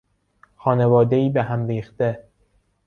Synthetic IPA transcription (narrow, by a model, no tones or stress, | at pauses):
xɒːnevɒːd̪e̞iːbeɦæmɾiːxt̪e